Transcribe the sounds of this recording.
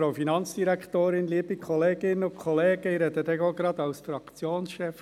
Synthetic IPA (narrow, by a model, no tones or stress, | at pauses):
afinɑnt͡sd̥̪iɾækχtoːɾɪnliːəbikʰχɔleːɡ̥ɪnʊkʰɔleːɡ̥əiɾɛd̪ədɛɡoɡɾɑd̪ɑʊsfɾɑkt͡sjoːnsʃɛf